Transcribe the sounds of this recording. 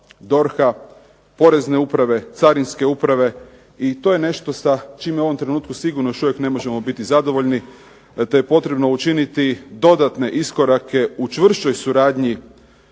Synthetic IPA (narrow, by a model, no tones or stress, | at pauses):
d̪o̞ɾxa | po̞ɾe̞zne̞upɾaʋe̞t̪saɾinske̞upɾaʋe̞ | it̪o̞ːjene̞ʃt̪o̞sat͡ʃiːmjeoo̞mt̪ɾe̞nuːt̪̚kusiɡuɾnojoʃuʋjekne̞mo̞ʒe̞mo̞bit̪izad̪o̞ʋo̞ʎni | t̪ejepo̞t̪ɾe̞bno̞ut͡ʃinit̪id̪o̞d̪at̪ne̞ʔisko̞ɾake̞ut͡ʃʋr̩ʃt͡ʃo̞jsuɾaːd̪ɲi